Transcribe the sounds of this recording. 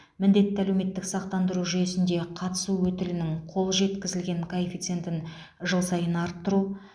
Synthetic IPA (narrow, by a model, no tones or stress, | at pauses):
mɪnd̪e̞t̪ːɪælewme̞t̪ːɪksɑq̚t̪ɑnd̪əɾuʒʏje̞sɪnd̪e̞qʰɑt̪ə̥suwɵt̪ɪlɪnɪŋqʰo̞lˠʒe̞t̪kʲɪzɪlɡʲe̞ŋkʰoefit̪sɨe̞nt̪ɪn | ʒəlˠsɑjənɑɾt̪ːəɾu